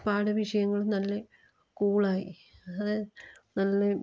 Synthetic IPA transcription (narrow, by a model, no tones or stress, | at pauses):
paːɽɐʋiʂɐjɐŋːɐɭumnɐlːɐ | kuːɭaːjḭ | ɐðɨnɐlːɐ